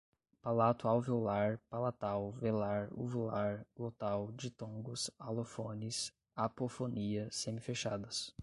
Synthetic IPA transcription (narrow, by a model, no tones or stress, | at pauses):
palat̪ʊawvowlaɾpalat̪awvelaɾṵvilaɾlot̪awd͡ʒɪt̪õɡʊsalofõnɪs | apofoniɐsẽmɪfeʃad̪ɐs